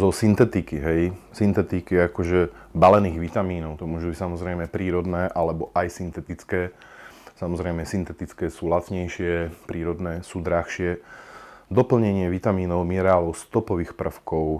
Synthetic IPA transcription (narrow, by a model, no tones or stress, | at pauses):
zɔsint̪ɛt̪ikiɦɛjsint̪ɛt̪ikiakɔʒɛbalɛniːɣʋit̪amiːnɔʊt̪ɔmʊɔːʒubicsamɔzɾɛjmɛpɾiːɾɔd̪nɛːʔalɛbɔʔajsint̪ɛt̪it͡skɛː | samɔzɾɛjmɛsint̪ɛt̪it͡skɛːsuːlat̪t͡sɲɛjʃɪɛpɾiːɾɔd̪nɛːsuːd̪ɾaxʃɪɛ | d̪ɔpl̩ɲɛɲɪɛʋit̪amiːnɔʊmiɛɾɛaːlɔʊst̪ɔpɔʋiːxpr̩fkɔʊ